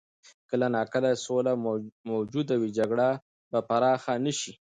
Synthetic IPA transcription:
kəlanɑkəlasolamowd͡ʒud̪awid͡ʒaɡɽa | bapaɾɑxanəʃi

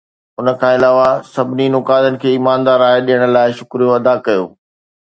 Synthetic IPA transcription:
ʊnə̆kʰãːɪlaːʋasɐbʱɪninʊkaːd̪ənɪ̆kʰeːiːmãːnd̪aːɾaːeɗijəɽ̃ə̆laːɪʃʊkɾijoɐd̪akɐjo̰ː

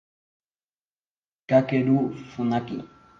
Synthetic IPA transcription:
kakeɾufunakḭ

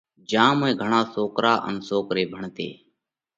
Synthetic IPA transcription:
d͡ʒãːmẽːɡʱəɳãːsoːkɾaːʔə̰nsoːkɾeːbʱəɳt̪ḛː

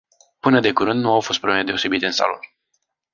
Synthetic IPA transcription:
pɨnəd̪e̞kuɾɨnd̪nuawfo̞st̪pɾoblemed̪eose̞bit̪eɨnsa̰lo̰n

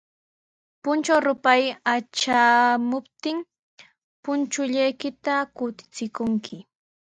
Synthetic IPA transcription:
pʊnt͡ʃawɾʊpajat͡ʃamʊpt̪ɪŋ | pʊnt͡ʃʊʎajkɪt̪akʊt̪ɪ̥t͡sɪkʊŋkʰɪ

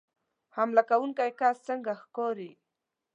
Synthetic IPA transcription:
hamlakawuŋkajkast͡səŋɡaxkoɾi

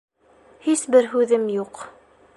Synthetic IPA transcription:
hisbɘɾɦʉðɘmjuq

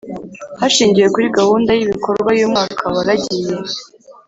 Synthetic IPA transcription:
haʃiːɲɟije̞kuɾiɡahuːndajimiko̞ɾɡwajomŋaːkʰaβaɾaɟije̞

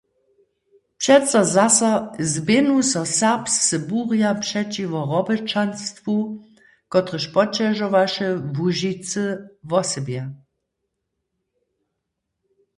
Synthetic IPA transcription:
pʂɛt͡sɔzasazbenusɔsaʁpssəbuʁjapʂɛt͡ʃivɔʁɔbət͡ʃanst̪vu | kɔt̪ʁəʃpɔt͡ʃɛʒɔvaʃɛvuʒit͡səvɔsɛbjɛ

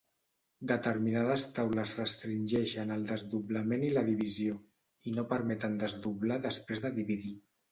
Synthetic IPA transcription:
d̪ət̪əɾminað̞əst̪awləzrəst̪ɾinʲʒɛʃənəlˠd̪əzðuβləmeniləðiβ̞izio | inopəɾmɛt̪ənd̪əzðuβlaðəspɾezðəðiβiði

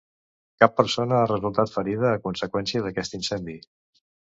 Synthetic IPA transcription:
kapːəɾsonəarəzulˠt̪at̪fəɾið̞əːkunsəkwɛnsiəðəkɛst̪insɛnd̪i

